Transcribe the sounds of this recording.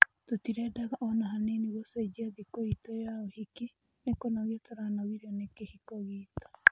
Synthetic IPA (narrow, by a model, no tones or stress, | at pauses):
totiɾɛdaɣaʔɔnaɦaneniɣosed͡ʒiaðikoitojaohike | nekonaɣjɔtʰoɾanawiɾeonekehikoɣiːtɔ̥